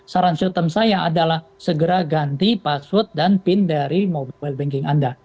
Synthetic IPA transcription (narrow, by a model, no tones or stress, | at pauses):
saɾansot̪əmsajaʔadalahsəɡəɾaɡant̪ipasʊt̪̚danpɪndaɾimobbajlbɛŋkɪŋʔanda